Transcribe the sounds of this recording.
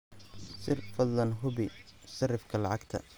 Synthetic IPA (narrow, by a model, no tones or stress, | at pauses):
sɪrfɐd̪lɐnɦʊbɪsɐrɪfkʰɐlɑʕɑɡt̪ʰɐ̰